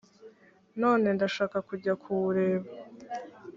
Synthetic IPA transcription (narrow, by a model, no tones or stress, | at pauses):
no̞ːne̞ndaʃaːkakuɟakʰuβuɾe̞ːβa